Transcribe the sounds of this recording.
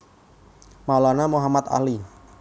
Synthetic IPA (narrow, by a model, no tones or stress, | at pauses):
malanamoɦamat̪a̰li